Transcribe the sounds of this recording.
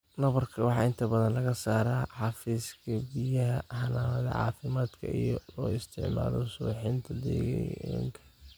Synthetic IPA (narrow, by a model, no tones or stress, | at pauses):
nɐβɐrkʰɐwɑħɑːɪnt̪ʰɐbɐðɐnlɐɣɐsaːɾaːħɑfiːskʰɐbijɐɦɐhɐnaːwɐðɐ̰ʕɑ̰ːfɪmaːd̪kʰɐ̰ḭjɔlɔːɪst̪ʰɪʕma̰ːlɔ̰sʊħɪnt̪ʰɐd̪ɛ̰ːɣɛɛŋkʰɐ̥